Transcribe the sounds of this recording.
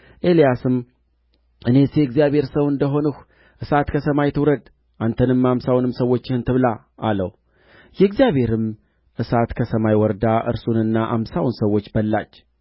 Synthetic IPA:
ʔe̞lijasɨm | ʔɨne̞sjɛɡzijaβhe̞ɾsəwɨnd̪əɦo̞nəh | ʔɨsat̪kʰəsəmajt̪ʰɨwɾəd̪ | ʔant̪ʰənɨmamsawnɨmsəwːo̞t͡ʃːɪhɨnt̪ʰɨβla | ʔalə̰w | jɛɡzijaβhe̞ɾɨm | ʔɨsat̪kʰəsəmajwɔɾd̪aʔɨ̰ɾsunɨnːaʔa̰msawnsəwːo̞t͡ʃːbəlːat͡ʃː

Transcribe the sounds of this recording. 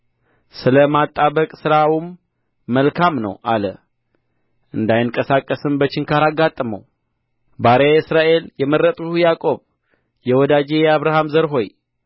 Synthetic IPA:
sɨləmat̪ʼːaβəkʼsɨɾawumː | əlkʰamnə̰wʔa̰lə̰ | ʔɨnd̪ajɪŋkʼəsakʼːəsɨmbət͡ʃɪŋkʰaɾaɡːat̪ʼːəmə̰w | baɾeɨsɾaʔe̞ljɛmərːət̪ʼhujakʼo̞β | jɛwɔd̪ad͡ʒejɛaβɾaɦamzəɾɦo̞j

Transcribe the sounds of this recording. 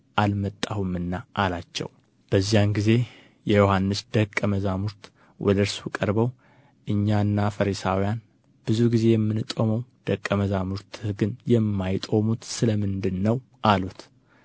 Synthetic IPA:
ʔalmət̪ʼːahumːɨnːaʔalat͡ʃːɛ̰w | b̥əzːijanɡize̞ | jɛjo̞hanːɨsd̪̥əkʼːəməzamuɾt̪ | wʔɔ̰d̪əɾswikʼəɾbəw | ʔɨɲːanːafəɾisawijan | b̥ɨzuɡize̞jɛmːɨnt̪ʼo̞məwd̪̥əkʼːəməzamuɾt̪ʰhɨɡɨnjɛmːajt̪ʼo̞mut̪sɨləmɨnd̪ɨnːəw | ʔalut̪

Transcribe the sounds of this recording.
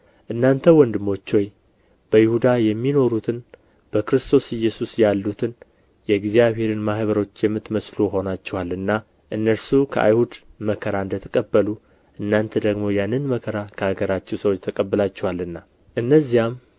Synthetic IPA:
ʔɨnːant̪ʰəwɔnd̪ɨmo̞t͡ʃːo̞j | b̥əjɪhud̪ajɛmːino̞ɾut̪ʰɨn | b̥əkɾɨst̪ʰo̞sɪjːɛsusjalːut̪ʰɨn | jɛɡzijaβhe̞ɾɨnmahβəɾo̞t͡ʃːjɛmːɨt̪ːməsluɦo̞nat͡ʃːɛwalːɨnːa | ʔɨnːəɾsukʰə̰ʔa̰jhud̪məkʰəɾaɨnd̪ət̪ʰəkʼəbːəlu | ʔɨnːant̪ʰəd̪əɡmo̞janːɨnməkʰəɾakʰəaɡəɾat͡ʃːɛwsəwot͡ʃːt̪ʰəkʼəbːɨlat͡ʃːɛwalɨnːa | ʔɨnːəzːijam

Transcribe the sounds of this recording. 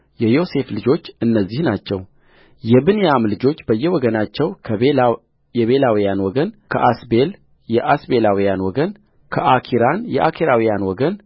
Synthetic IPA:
jɛjo̞se̞flɨd͡ʒo̞t͡ʃːɨnːəzːihnat͡ʃːɛ̰w | jɛbɨnejamlɨd͡ʒo̞t͡ʃːbəjːɛwɔɡənat͡ʃːɛwkʰə | jɛβe̞lawijanwɔɡənkʰəʔasbel | jɛʔasbe̞lawijanwɔɡən | kʰəʔakʰiɾanjɛ̰ʔakʰiɾawijanwɔɡən

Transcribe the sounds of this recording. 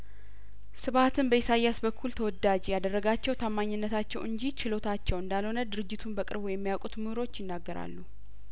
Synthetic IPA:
sɨβat̪ʰɨnbəjɪsajːasbəkʰːult̪ʰəwɔd̪ad͡ʒjad̪ərːəɡat͡ʃːɛwt̪ʰamːaɲːɪnːət̪ʰat͡ʃːɛwʔɨɲd͡ʒit͡ʃʰɪlo̞t̪ʰat͡ʃːɛwɨnd̪alho̞nəd̪ɨɾɨd͡ʒːɪt̪ʰunbəkʼɨ̰ɾbwjːɛmːijakʼut̪mɨhɾo̞t͡ʃːjɪnːaɡːəɾa̰lːu

